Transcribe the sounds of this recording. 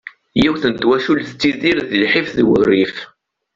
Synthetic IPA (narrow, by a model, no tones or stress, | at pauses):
jiwθnt̪wæʃulθət͡sːiðiɾðəlħifðwə̰rːif